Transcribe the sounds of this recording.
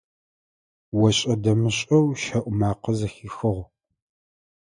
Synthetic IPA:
wɔɕʼɐdɐmɨɕʼɐwʃɐʔʷʊmaːqəzɐxiːxɨʁʷ

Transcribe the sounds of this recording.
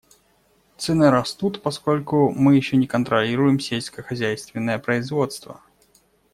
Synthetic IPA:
t̪sɛnɨɾɐst̪ut̪pɐsko̞lʲkʊmɨjɪɕːonʲɪkənt̪ɾɐlʲiɾʊjɪmsʲelʲsʲkəxɐzʲæjst̪vʲɪnːəjəpɾəɪzvo̞t̪st̪və̰

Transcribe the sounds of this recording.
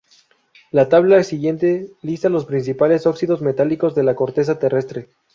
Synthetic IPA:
lat̪aβ̞laesiɣje̞nt̪e̞list̪alo̞spɾins̬ipale̞so̞ksiðo̞zme̞t̪aliko̞zðe̞lako̞ɾt̪e̞s̬at̪e̞re̞st̪ɾe̞

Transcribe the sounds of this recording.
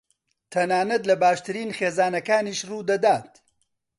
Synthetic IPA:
t̪ʰɐnaːnɐt̪lɐbaːʃt̪ɨɾiːnxeːzaːnɐkaːniːʃruːd̪ɐd̪aːt̪

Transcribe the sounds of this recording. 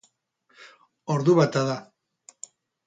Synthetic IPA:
oɾðuβat̪aða

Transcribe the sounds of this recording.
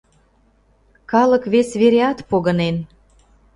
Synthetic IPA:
kɑlə̆kβesβeɾeɑt̪poɣənen

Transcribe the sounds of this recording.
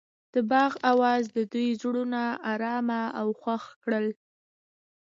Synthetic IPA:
d̪̥əbɑɣawɑzd̪əd̪ujzɽunaaɾɑmaawxwaxkɽəl

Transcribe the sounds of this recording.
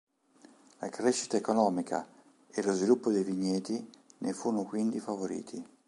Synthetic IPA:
lakɾeʃːi̥t̪aekonɔːmikʰa̰ | elozvilupːod̪ejviɲːeːt̪inʔefuːnokwind̪ifavoɾḭːt̪ʰi

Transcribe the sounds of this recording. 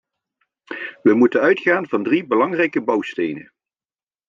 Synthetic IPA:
ʋəmutənœɥtχaːnvɑndribəlɑŋrɛjkəbɑwstejnə̰n

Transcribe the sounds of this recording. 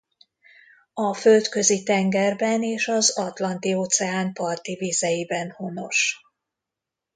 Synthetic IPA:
ɒfølt̪kø̞zit̪ɛŋɡɛrbɛneːʃɒzɒt̪lɒnt̪ioːt̪sɛaːnpɒrt̪iviːzɛjibɛnhono̞ʃ

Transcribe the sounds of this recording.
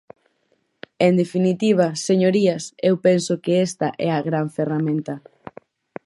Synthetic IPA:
end̪efinit̪iβ̞ɐseɲoɾiasewpensʊkɪest̪ɐʔɛaɣɾaɱferamẽnt̪ɐ

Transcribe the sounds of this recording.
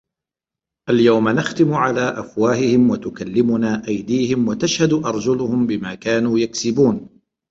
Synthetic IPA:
ʔaljawmanaxt̪ɪmʕalaːʔafwaːhɪhɪmwat̪ʊkalːɪmʊnaːʔajd̪iːhɪmwat̪aʃhad̪ʔɑɾˤd͡ʒʊlʊhʊmbɪmaːkaːnuːjaksɪbuːn

